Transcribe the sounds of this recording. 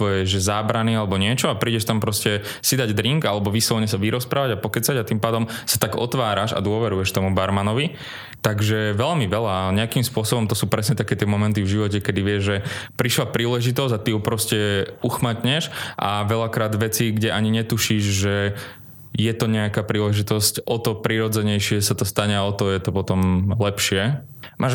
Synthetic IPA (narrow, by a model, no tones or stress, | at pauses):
t̪ʋɔjɛʒʒɛzaːbɾanialɛbɔɲɪɛt͡ʃɔapɾiːɟɛʃt̪ampɾɔscɛ | sid̪aɟd̪ɾiŋɡalɛbɔʋisɔlɲɛsaʋiɾɔspɾaːʋaɟapɔkɛt͡saɟat̪impaːd̪ɔmsḁt̪aɡɔ̰t̪ʋaːɾaʃa̰d̪ʊɔʋɛɾujɛʃt̪ɔmubaɾmanɔʋi | t̪aɡʒɛʋɛlmiʋɛʎaɲɛakimspʊɔsɔbɔmt̪ɔsuːpɾɛsɲɛt̪akɛːt̪ɪɛmɔmɛnt̪ivʒiʋɔcɛkɛd̪iʋɪɛʒʒɛpɾiʃlapɾiːlɛʒit̪ɔzɟat̪iɦupɾɔscɛuxmat̪ɲɛʃʔa̰ʋɛʎakɾaːd̪ʋɛt͡siɡɟɛʔaɲiɲɛt̪uʃiːʒʒɛ | jɛt̪ɔɲɛakaːpɾiːlɛʒit̪ɔscʔɔt̪ɔpɾiɾɔd͡zɛɲɛjʃɪɛsat̪ɔst̪aɲɛaɔt̪ɔjɛt̪ɔpɔt̪ɔmlɛpʃɪɛmaːʒ